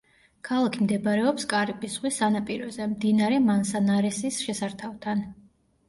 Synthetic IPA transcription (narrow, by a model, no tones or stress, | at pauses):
kʰalˠakʰimd̪ɛbɾɛɔpskʼaɾipʼisʁwisanapʼiɾɔzɛmd̪inaɾɛmansanaɾɛsisʃɛsaɾt̪ʰavt̪ʰan